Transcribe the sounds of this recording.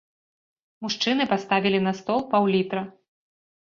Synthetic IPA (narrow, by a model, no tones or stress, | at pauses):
muʂt͡ʂɨnɨpast̪avʲilʲinɐst̪ɔlˠpawlʲit̪ɾɐ